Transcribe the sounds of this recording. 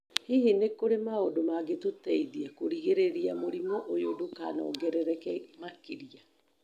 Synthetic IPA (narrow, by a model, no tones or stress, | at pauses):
hihinekoɾemaodomaɡetotɛiðiɛkoɾiɣeɾeɾiamoɾimɔʔojodokana̰ɔ̰ɡɛɾɛɾɛkɛmakiɾia